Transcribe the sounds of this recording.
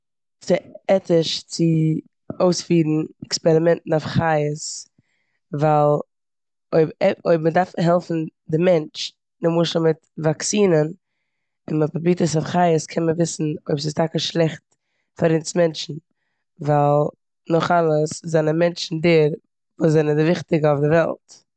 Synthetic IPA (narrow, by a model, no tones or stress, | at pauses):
t͡sɪɛtɪʃt͡sɪ | oʊsfiːɾn̩ɛkspɛɾɪmɛntn̩ɔfχajəs | valˠ | oɪbɛɔɪbmədaɾfɦɛlˠfn̩dɪmɛnt͡ʃ | nɪmuʃl̩ˠmɪtvaksiːnən | ɪnmapbliːtəsɔfχajəskʰɛnməvɪsn̩oɪbsɪstʰakəʃlˠɛχt̚ | faɾiːnsmɛnt͡ʃn̩ | valˠ | nʊχalˠəszanamɛnt͡ʃn̩deɾ | vuːs̬zɛnədɪvɪχtɪɡəɔʊfdɪvɛ̰lˠt